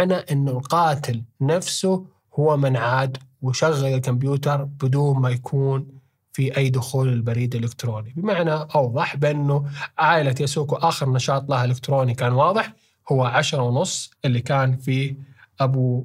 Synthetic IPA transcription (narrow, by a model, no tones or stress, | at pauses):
ʕnaʔɪnːʊlqɑːt̪ɪlnafsʊ | hʊwːamɪnʕaːd̪wɪʃaɣːalɪlkʊmbjuːt̪ɑɾˤb̥ɪd̪uːnmajakʰuːn | fiʔajːd̪ʊxuːlɪlbaɾiːd̪ɪlɪkt̪ɾoːnibɪmaʕnaʔɑwðˤɑħbɪʔɪnːuʕaːjlat̪jasuːkuʔaːxɪɾnɑʃɑːt̪ˤlahɪlɪkt̪ɾoːnikaːnwɑːðˤɨħ | hʊwːaʕaʃɾˤɑwnʊsˤːʔɪlːikaːnfiː | ʔabu